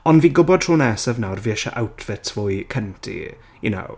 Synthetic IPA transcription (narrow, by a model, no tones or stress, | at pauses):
ɔnviːɡʊbɔd̥r̥uːnɛːsəvnawrviɛʃa̰ʔawtʰv̥ɪtʰv̥ʊjkʰəntʰḭ | jʊ̰no̰w